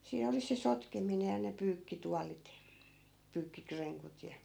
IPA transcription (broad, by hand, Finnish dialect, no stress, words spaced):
siːn oli se sotkemine jɑ ne pyːkːituɑlit pyːkːikreŋkut jɑ